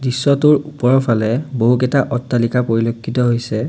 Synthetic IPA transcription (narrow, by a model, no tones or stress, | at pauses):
disːɔtʊɹupɔɹɔpʰalɛboɦukɛtaʔɔtːalikapoɹilokʰːitɔɦojsɛ